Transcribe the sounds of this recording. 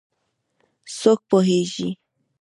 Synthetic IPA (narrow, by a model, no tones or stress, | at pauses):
sok̚poɦeʒi